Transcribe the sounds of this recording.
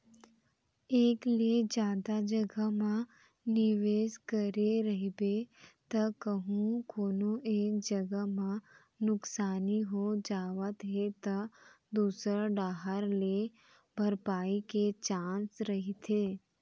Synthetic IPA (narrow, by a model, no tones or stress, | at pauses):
eːkled͡ʒjaːd̪ad͡ʒɐɡəmã | nɪʋeːskɐɾeɾɐɦibet̪ɐkəɦũkoːnoʔeːkd͡ʒɐɡəmã | nʊksaːniɦod͡ʒaːʋət̪ɦet̪ɐ | d̪uːsɾaɖaːɦəɾle | bʱɐɾpaːiket͡ʃãːnsɾɐɦit̪ʰeː